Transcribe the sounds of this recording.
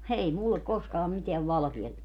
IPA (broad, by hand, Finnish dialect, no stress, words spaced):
ei mulːek koskɑːm miteæʋ ʋɑlɑ̆kiɑ